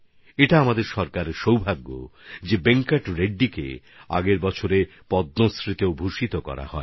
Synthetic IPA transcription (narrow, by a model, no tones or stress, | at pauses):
eʈaamad̪eɾʃɔɾkaɾʃowbʱaɡːo̰d͡ʑebeŋkaʈɾeɖːikḛ | a̰ɡeɾbɔt͡ɕʰoɾe | pɔd̪nosɾit̪eobʱuʃit̪okɔ̰ɾa̰hɔ̰e